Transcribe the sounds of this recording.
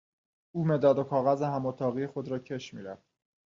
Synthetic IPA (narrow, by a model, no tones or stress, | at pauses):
uːme̞d̪ɒːd̪o̞kʰɒːɣæzeɦæmɒːt̪ʰɒːɣijexo̞d̪ɾɒːcʰe̞ʃmiːɾæ̰fd̪̥